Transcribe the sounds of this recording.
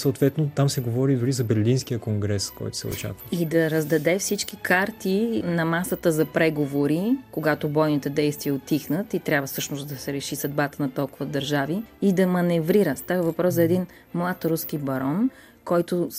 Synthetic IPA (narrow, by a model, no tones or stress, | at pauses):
səoːt̪vɛt̪not̪amsɛɡovɔɾid̪ʊɾizɐbɛɾlinskijəkoŋɡɾɛskɔ̰jt̪ʊ̥sɛ̰ʊ̰t͡ʃa̰kvəid̪ɐɾɐzd̪ɐd̪ɛfsit͡ʃk̟ikʰaɾt̪inɐmasət̪əzɐpɾɛɡovoɾikoɡat̪obɔjnit̪ɛd̪ɛjst̪viɛot̪ixnət̪it̪ɾʲabvəfsɤʃnʊsd̪ɐsɛɾɛʃisɐd̪bat̪ənɐt̪ɔlˠkʊvəd̪ɐɾʒaviid̪ɐmɐnɛvɾiɾəst̪avɐvɐpɾɔszɐɛd̪in | mlˠat̪ɾuskibɐɾɔn | kɔjt̪ʊ